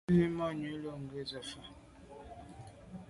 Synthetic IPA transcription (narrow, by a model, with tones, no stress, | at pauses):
i˦mɔ˦˨ɲu˨˦lo˦˨ŋ˨ɡə˦˨zə˨fa˨